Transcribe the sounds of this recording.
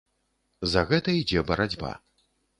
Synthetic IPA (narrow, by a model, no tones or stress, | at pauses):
zɐɣɛt̪ɐid͡zʲɛbɐɾad͡zʲba̰